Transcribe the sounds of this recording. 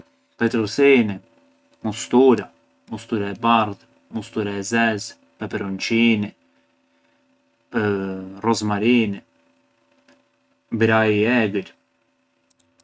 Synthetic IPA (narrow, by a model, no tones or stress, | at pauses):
pɛt̪ɾusini | must̪uɾa | must̪uɾaɛbaɾð | must̪uɾaɛzɛz | pɛpɛɾunt͡ʃini | rɔzmaɾini | bɾaiɛɡəɾ